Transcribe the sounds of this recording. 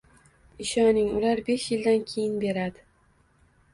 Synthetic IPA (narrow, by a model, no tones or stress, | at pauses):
ɪʃɒnɪŋʊlaɾbe̞ʃjɪld̪ankʲʰe̞jɪnbe̞ɾad̪ɪ